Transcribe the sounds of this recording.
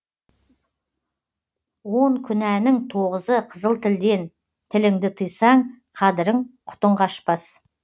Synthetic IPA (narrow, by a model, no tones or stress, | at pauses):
wo̞ɴkʲʰʏnænɪŋt̪ʰoʁəzəqʰəzəlˠt̪ʰɪld̪e̞n | t̪ʰɪlɪŋd̪ɪt̪ʰəjsɑɴ | qʰɑd̪ɪɾəɴqʰʊ̥t̪əɴʁɑʃpɑs